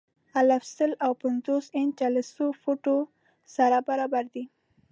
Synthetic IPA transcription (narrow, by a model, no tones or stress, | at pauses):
alafsəlawpanzosent͡ʃaləsofoʈo | saɾabaɾɑbaɾd̪i